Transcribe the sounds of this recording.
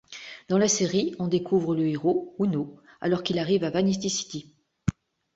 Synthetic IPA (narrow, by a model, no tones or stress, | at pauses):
d̪̥ɑ̃laseʁiɔ̃d̪ekʰuvʁələeʁouno | a̰lɔʁkilaʁivavanis̬t̪isi̥t̪i